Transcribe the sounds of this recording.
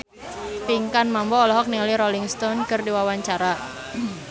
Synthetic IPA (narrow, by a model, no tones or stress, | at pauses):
p̪iŋkanmambɔːlɔɦɔk̚nialiɾɔliŋst̪ɔnkɨrdiwawaɲt͡ʃaɾa